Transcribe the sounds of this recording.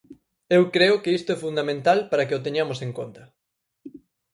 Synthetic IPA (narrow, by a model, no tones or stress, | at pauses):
ewkɾeʊkeist̪ʊɛfund̪amẽnt̪alpaɾɐkɪot̪eɲamʊseŋkont̪ɐ